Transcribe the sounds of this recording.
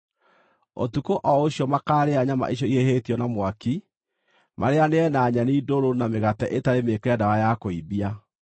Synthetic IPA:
o̰tukoʔɔoɕijɔmakaːɾeaɲama̰ʔiɕ̬jɔiehetiɔnamwaki | mʔaɾeaneɛnaːɲaniːdoɾonameɣatɛʔetaɾemekɛdawajakoibia

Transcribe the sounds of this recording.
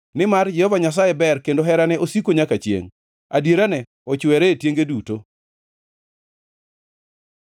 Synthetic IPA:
nɪmard͡ʒɛhɔvaɲas̬ajɛbɛrkendoɦɛɾanɛʔosikoɲakat͡ʃjḛŋ | adjeɾanɛ | ɔt͡ʃwɛɾɛetjeŋɡeduto

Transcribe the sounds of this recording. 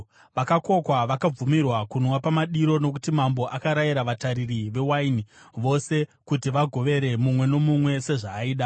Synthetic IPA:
ʋakako̞kwaʋakab͡vumirwakunwapamaɗiɾo̞no̞k̬utimambo̞ʔakaɾajiɾaʋataɾiriʋe̞wainiʋo̞se̞kutiʋaɡʱo̞ʋe̞ɾe̞mumwe̞no̞mumwe̞se̞ʐaːiːɗa

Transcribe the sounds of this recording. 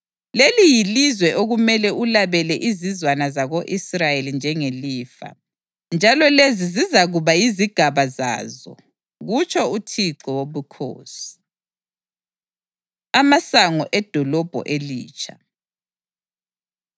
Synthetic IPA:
lelijilizwɛʔoɣumɛlɛʔulaβɛlɛʔizizwanazaɣoʔisrajelind͡ʒʱɛŋeliːfa̰ | nd͡ʒʱalɔlezizizaɣuβajiziɡ̥ʱaβaza̰ːzɔ̰ | ɣut͡ʃʰʼɔutʰiǃɔwoβukʰo̰ːsi̥ | amasaŋɔʔɛd̥ʱɔlɔb̥ʱɔ̰ʔelḭːt͡ʃʰa

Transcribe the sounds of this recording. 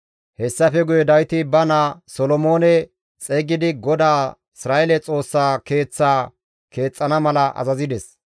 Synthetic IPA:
hɛsːɐfɛɡʊjɛd̪ɐjt̪ɪbɐnaːsɔlɔmo̞ːnɛ | t͡sʼeɡɪd̪ɪɡɔd̪aː | ɪsɾaːʔɛlɛt͡sʼo̞ːsːaːke̞ːt͡sːaː | ke̞ːt͡sʼːɐnɐmɐlɐʔɐ̰zɐzɪd̪ɛs

